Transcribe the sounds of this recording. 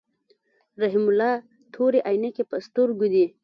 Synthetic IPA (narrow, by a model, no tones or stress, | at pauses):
ɾaɦimʊlɑ | t̪ʰoɾeʔɑjnekepəst̪ʊɾɡud̪i